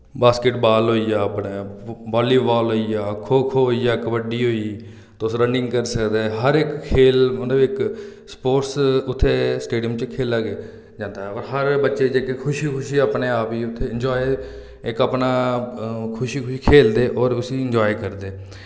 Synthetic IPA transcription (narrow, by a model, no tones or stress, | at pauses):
baːskɪʈbaːlɦoːiːaːəpneːbaːliːbaːlɦoːiːaːkʰoːkʰoiːaːkʋəɖiːɦoːiː | t̪oʊsɾəɳɖɪ̃ŋɡkəɾsəkd̪eːɦəɾɪkkʰːeːlmət̪ləbɪkspoːɾsʊt̪ʰːeːsʈeːɖijəmt͡ʃkʰeːlaːɡeː | d͡ʒãːnd̪aːɦɛɔːɾɦəɾbətːʃeːd͡ʒeːkekʰʊʃikʰʊʃiːaːpneːaːpiːʊt̪ʰːeːɪɲd͡ʒɔːe | ɪkaːpnaː | kʰʊʃiːkʰʊʃiːkʰeːld̪eːʔɔːɾʊsiːɪ̃ɲd͡ʒɔːikəɾd̪eː